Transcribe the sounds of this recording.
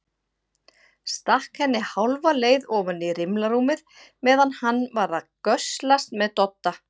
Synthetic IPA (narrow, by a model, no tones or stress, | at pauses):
st̪ahkhɛnːɪhawlvaleːjðɔːvanirɪmlaɾuːmɪð | mɛːðanhanːvaɾðakœslast̪mɛðt̪ɔt̪ːa